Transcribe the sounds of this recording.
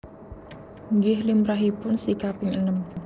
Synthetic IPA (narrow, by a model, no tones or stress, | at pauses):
ŋɡɪhlimɾaɦipʊnsikapɪŋənəm